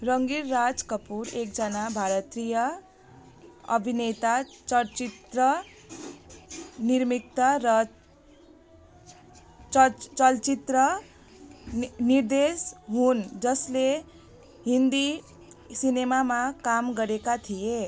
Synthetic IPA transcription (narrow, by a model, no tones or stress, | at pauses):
rʌŋɡirːad͡zkʌpuɾek̚d͡zʌnabʱaɾʌt̪rijʌ | ʌ̰bʱinet̪at͡sʌlt͡sit̪rʌ | nirmik̚t̪ʌɾʌ | t͡sʌlt͡sit̪rʌ | nird̪esɦund͡zʌsle | ɦind̪i | sinemamakamɡʌɾekat̪ʰije